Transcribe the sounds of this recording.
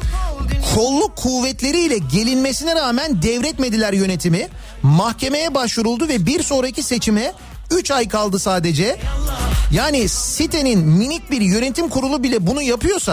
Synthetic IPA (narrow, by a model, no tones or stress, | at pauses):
kʰo̞lˠːukʰːuvːɛt̪lʲe̞ɾiːlʲɛɟe̞lʲinme̞sinɛɾaːmænd̪ɛvɾɛt̪me̞d̪ilʲæɾjø̞ne̞t̪ʰimi | mahcʰe̞me̞jɛbaʃvuɾulˠd̪uvɛbiɾso̞ːɾacʰise̞t͡ʃʰimɛ | yt͡ʃajkʰalˠd̪ɯsaːd̪e̞d͡ʒɛ | jaːnisit̪ʰe̞ninminic̚biɾjø̞ne̞t̪ʰimkʰuɾulˠubilʲɛbunujapɯjo̞sa